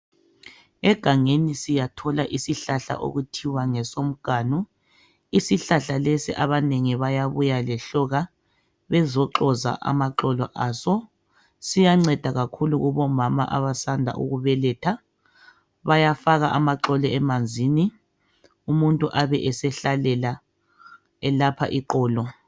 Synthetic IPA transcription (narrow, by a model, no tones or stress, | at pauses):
ɛɡ̥ʱaŋenisijatʰɔlaʔisiɬaɬa̰ʔo̰ɣutʰiwaŋɛsom̩ɡ̥ʱaːnu | isiɬaɬalesiʔaβaneŋiβajaβujalɛɬɔɣa | βɛzɔǁɔza̰ʔa̰maǁɔlɔ̰ʔasɔ | sijaŋ͡ǀɛd̥ʱaɣakʰuluɣuβɔmama̰ʔa̰βasandʱa̰ʔṵɣuβɛlɛtʰa | βajafaɣaʔamaǁɔlɔɛmand͡zʱiːni | umuntʼuʔaβɛʔɛsɛɬalɛla | ɛlapʰa̰ʔiǃɔːlɔ